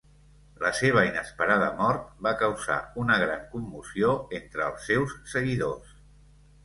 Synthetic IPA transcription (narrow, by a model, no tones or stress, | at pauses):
ləseβ̞əinəspəɾaðə̰mɔɾt̪̚bakəwza̰unəɣɾaŋkumːusioent̪ɾəːlˠsːewssəɣiðos